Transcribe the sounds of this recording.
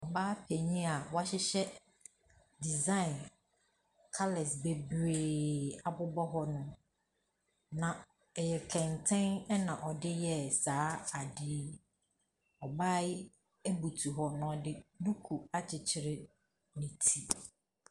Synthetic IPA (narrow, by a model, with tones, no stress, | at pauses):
ɔ˨baː˦pʰe˨ɲĩ˦a˨wa˦ɕɪ˦ɕɛ˦ | di˨zã˦ɪ̃˨n | kʰa˦lɛ˨sbe˨bɾeː˨a˨bʊ˦bɔ˦ɦɔ˦nʊ̃˦ | nã˨ | ɛ˨jɛ˨kʰɛ̃˨ntʰɛ̃˦nɛ˦nã˨ʔɔ˨dɪ˦jɛ˦saː˦a˨dɪ˨˦ | ɔ˨baː˦ɪ˦ | e˦bu˨tʰu˨ɦɔ˦nã˨ɔ˨dɪ˦du˦kʰu˨a˦t͡ɕʰɪ˨t͡ɕʰɪ˨ɾɪ˦ | nĩ˨tʰi˦